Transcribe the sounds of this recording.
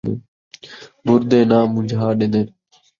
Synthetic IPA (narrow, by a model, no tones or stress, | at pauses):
ḛː | mʊɾd̪eːnãːmʊ̃d͡ʒʱaːɗẽːnd̪eː